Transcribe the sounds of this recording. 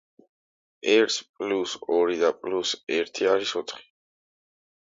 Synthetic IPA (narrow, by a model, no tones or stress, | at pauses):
ɛɾt̪ʰpʼlusɔɾid̪apʼlusɛɾt̪ʰiaɾisɔt̪ʰχi̥